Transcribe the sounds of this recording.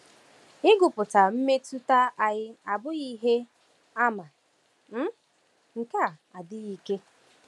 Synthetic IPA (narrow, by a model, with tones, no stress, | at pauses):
ɪ˦ɡʊ˨pʊ˨ta˨m̩˦me˦tu˦ta˦ʔa˨ɣɪ˦a˨bʊ˦ɣi˦ɦe˦ | a˦ma˨ | m̩˦ | ŋ̩˨ka˦a˨a˨dɪ˦ɣi˨ke˦